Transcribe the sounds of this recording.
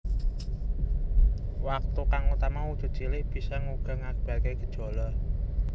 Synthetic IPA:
wak̚t̪ukaŋut̪amawudt̪ṳ̥ʒ̥i̤lɪhb̥i̤sɔŋuɡ̥a̤ŋaɡ̥ə̥b̥alkeɡ̥ə̤̥d̥ʒ̥o̤lɔ

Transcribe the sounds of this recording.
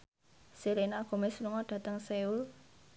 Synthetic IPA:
siɾenaɡ̥o̤mɛsluŋɔɖ̥a̤t̪əŋseul

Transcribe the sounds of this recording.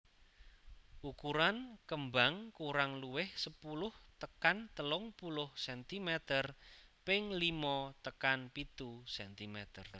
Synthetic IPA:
ʔukuɾankəmbaŋkuɾaŋluwɪhsəpulʊht̪əkant̪əlʊŋpulʊhsɛnt̪imɛt̪ərpɪŋlimɔt̪əkanpit̪usɛnt̪imɛt̪ər

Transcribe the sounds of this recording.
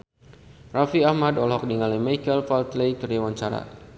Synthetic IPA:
rafiahmadɔlɦɔk̚diŋalimajkəlfalt̪lejkəriwaɲt͡ʃaɾa̰

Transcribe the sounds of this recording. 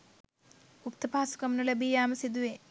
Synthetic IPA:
up̚t̪ɐpaːsu̥kɐmnulɐbijaːmɐsid̪uʋe

